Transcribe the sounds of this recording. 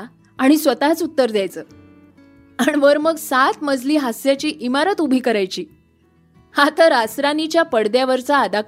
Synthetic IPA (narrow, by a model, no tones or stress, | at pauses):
aɽ̃isʋət̪at͡sut̪ːəɾd̪jajt͡səː | anʋəɾməɡsat̪məd͡zliːɦasjat͡ɕiːʔimaɾət̪ubʱiːkəɾajt͡ɕiː | hat̪əɾasɾanit͡ɕjapəɽd̪jaʋəɾt͡saːd̪ak